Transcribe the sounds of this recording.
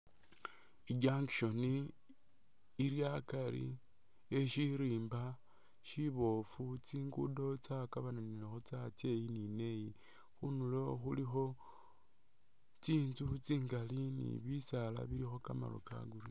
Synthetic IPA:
iɡaŋkʃo̞ni | ljakaɾḭ | eʃiɾiːmba | ʃiβo̞fut͡siːŋɡṵdo̞t͡sakaβananilexot͡sat͡se̞jinine̞ji | xunuloxulixo̞ | t͡siːnt͡sut͡siːŋɡalinḭβisala̰βilixo̞kama̰lo̰ka̰ɡuɾi

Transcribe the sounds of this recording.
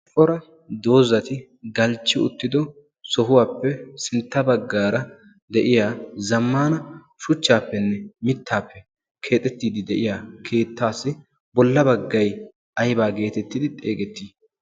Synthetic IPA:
ʔʼɔɾɐ | d̪o̞ːzɐt̪ɪ | ɡɐlt͡ʃːɪʊ̰t̪ːɪd̪ɔ | sɔɦʊwaːpːɛsɪnt̪ːɐbɐɡːaːɾɐ | d̪ɛʔɪjaːzɐmːaːnɐ | ʃʊt͡ʃːaːpːɛnːɛmɪt̪ːaːpːɛ | kʰe̞ːt̪ʼːɛt̪ːiːd̪ɪd̪ɛʔɪjaːkʰe̞ːt̪ːaːsːɪ | bɔlːɐbɐɡːɐj | ʔɐjbaːɡe̞ːt̪ɛt̪ːɪd̪ɪt̪ʼeːɡɛt̪ːiː

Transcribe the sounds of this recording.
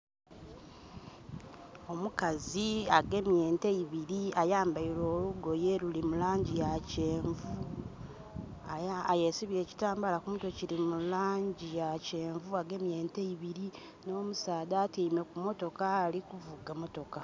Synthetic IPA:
o̞mukaziaɡe̞mje̞ːnteiβiɾiajaːmbailo̞ːluɡo̞jelulimulaːɲɟijace̞ːɱvu | aajesiβie̞ːci̥taːmbalakumuto̞cilimulaːɲɟijace̞ːɱvuaɡe̞mje̞ːnteiβiɾi | no̞ːmusaːdaːtiːme̞kumo̞to̞kaːlikuvuɡamo̞to̞ka

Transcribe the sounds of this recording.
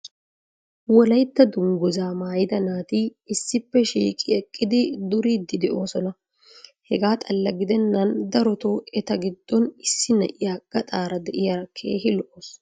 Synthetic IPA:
wɔlɐjt̪ːɐd̪ʊŋɡʊzaːmaːjɪd̪ɐnaːt̪iɪsːɪpːɛʃḭːkʼɪɛkʼːɪd̪ɪd̪ʊɾiːd̪ːɪd̪ɛʔo̞ːsɔnɐ | hɛɡaːt̪ʼɐlːɐɡɪd̪ɛnːɐnd̪ɐɾɔt̪oɛt̪ɐɡɪd̪ːɔnɪsːɪnɛ̰ʔɪjaːɡ̥ɐt̪ʼaːɾɐd̪ɛʔɪjaːɾkʰe̞̰ːɦɪlɔʔoːs

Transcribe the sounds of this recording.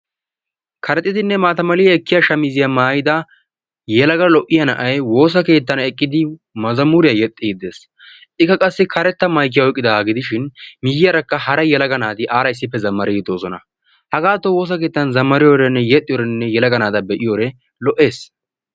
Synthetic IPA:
kʰɐɾɛt̪ʼːɪt̪ɪnːɛmaːt̪ɐmɐlɪɛkːɪjaʃɐmɪzɪjɐmaːjɪd̪ɐ | jɛlɐɡɐlɔʔɪjɐnɐʔɐjwo̞ːs̬ɐke̞ːt̪ːɐnɛkʼːɪd̪ɪ | mɐzɐmʊɾɪjɐjɛt̪ʼːɪɡɪd̪eːs | ɪkːɐkʼɐsːɪkʰɐɾɛt̪ːɐmɐjk̬ːɪjɐɔkʼːɪd̪ɐaːɡɪd̪ɪʃɪnmɪjɪjɐɾɐkːɐhɐɾɐjɛlɐɡɐnaːd̪ɪʔaːɾɐɪs̬ːɪpːɛzɐmːɐɾɪɡɪd̪oːsɔnɐ̰ | hɐɡaːt̪ːɔwo̞ːs̬ɐke̞ːt̪ːɐnzɐmːɐɾɪjɔɾɛnːɛjɛt̪ʼːɪjːɾɛnːɛjɛlɐɡɐnaːd̪ɐbɛʔɪjoɾɛ | lɔʔe̞ːs

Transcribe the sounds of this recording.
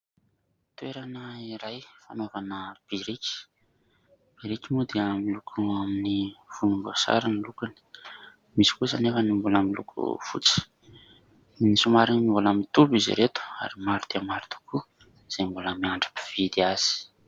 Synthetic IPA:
t̪weɾanəiɾajfanovanəb̥iɾikʲi̥ | b̥iɾikimud̪emilukʰuaminiv̥unumbosa̰ɾinilukuni̥ | misi̥kusanefənimbulamilṵkʰṵfṵt͡si̥ | nisumaɾinmimbulamit̪ubizḭɾet̪u̥a̰ɾimaɾud̪̥eamaɾut̪u̥kʰu | z̥embuləmiaɳɖ͡ʐḁpi̥v̥id̪iaz̥i̥

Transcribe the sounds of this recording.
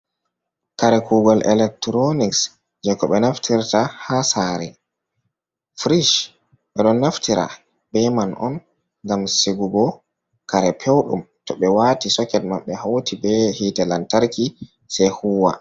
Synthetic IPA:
kaɾɛkʰuːɡɔlʔɛ̰lɛk̚tɾoniks | d͡ʒɛkɔɓɛnaftʰiɾtahasaɾɛ̰ | fɾiʃ | ɓɛɗɔnːaftiɾʔa̰ | bɛmanʔɔ̰n | ŋɡamseɡuɡɔ | kaɾɛpʰewɗṵmtɔɓɛwatisɔkɛt̚maɓːɛhatʰibɛhiːtɛlantaɾki | sɛjhuːwa̰

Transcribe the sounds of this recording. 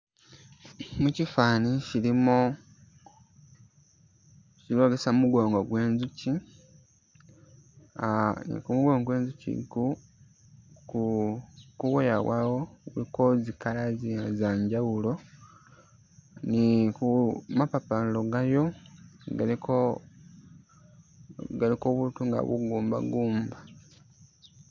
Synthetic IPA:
mucifaːnicilimo | ciloɡesamuɡoːŋɡoɡwe̞ːnzuci | nḭkumuɡoːŋɡwe̞ːnzucḭku | ku | kuwojawawo̞ɣṵlikozikalaziazaːɲɟawulo̞ | nikumapapalo̞ɡajo̞ɡaliko | ɡalikoβutuŋɡa̰βṵɡuːmba̰ɡuːmba

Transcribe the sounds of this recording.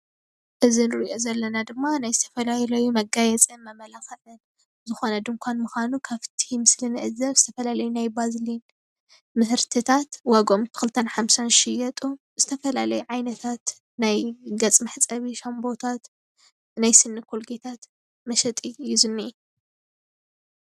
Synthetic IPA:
ʔɨzinɨɾiʔo̞zɐlːɐnad̪ɨmːanajzɨt̪ʰɐfɐlajlɐjumɐɡajɛt͡sʼɨnmɐmɐlaxɐlɨn | zɨxo̞nɐd̪ɨmkʷʰanmuxanukʰaβt̪ʰimɨslɨnɨʔɨzɐβzɨt̪ʰɐfɐlalɐjunajbazlin | mɨsɨɾt̪ʰɨt̪ʰat̪waɡo̞mɨkʰɨlt̪ʰɐnħamsanʃɪjɐt̪ʼu | z̥ɨt̪ʰɐfɐlalɐjuʕajnɐt̪ʰat̪ | najɡɐt͡sʼmɨħt͡sʼɐβiʃɐmbo̞t̪ʰat̪ | najsɨnːɨkʰolɡet̪ʰat̪ | mɐʃɐt̪ʼiɨjːuzɨnːiʔi

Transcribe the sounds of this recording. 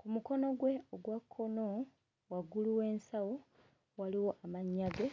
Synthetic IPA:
kumuko̞no̞ɡwe̞oɡwakʰːo̞no | waɡuluwe̞ːnsawo | waliwo̞ʔamaɲːaɡe

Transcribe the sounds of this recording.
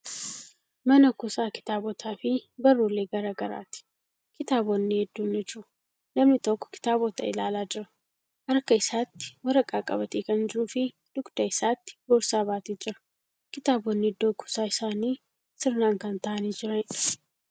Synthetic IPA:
mɐnɐkʊsaːkɪ̥t̪aːbɔt̪ʰaːfɪbɐrːoːlːeːɡɐɾɐɡɐɾa̰ːt̪ɪ̥ | kɪt̪aːbɔnːihɛd̪ːunːɛd͡ʒʊ | lɐmnɪt̪ɔkːɔ̥kɪ̥t̪aːbɔt̪ɐ̰ɪlaːlaːd͡ʒɪɾɐ | hɐɾkːɐɪsaːt̪ːɪ̥wɐɾɐkʼaːkʼɐ̰bɐt̪eːkɐnd͡ʒɪɾuːfɪ | d̪̥ʊɡd̪̥ɐɪsaːt̪ːɪ̥ɡoːɾsaːbaːt̪iːd͡ʒɪɾɐ̥ | kɪt̪aːbɔnːɪd̪ːoːkʰʊ̥saːɪsaːniː | sɪɾnaːŋkɐnt̪ɐʔɐniːd͡ʒɪɾɐn

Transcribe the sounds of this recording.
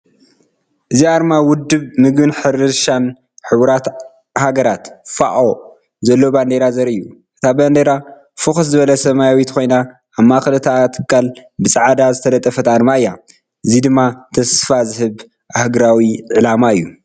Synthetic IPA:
ʔɨziaɾmawʊd̪ːɨβmɨɡbɨnħɨɾɨʃan | ħɨβɾat̪ | haɡɐɾat̪fa̰ʔo̞ | zɐlːo̞band̪eɾazɐɾɨjːuʔɨt̪ʰaband̪eɾa | fɨxɐszɨβɐlɐsɐmajawit̪kʰo̞jna | ʔamːaxlɐt̪ʰat̪ʰɨ̥kʰːalbɨsʼaʕad̪azɨt̪ʰɐlɐt̪ʼːɐfɐt̪aɾmaɨjːa | ʔɨzid̪ɨmːat̪ʰɐsfazɨɦɨβ | ʔahɡɾawiʕʕɨlamaɨjːu

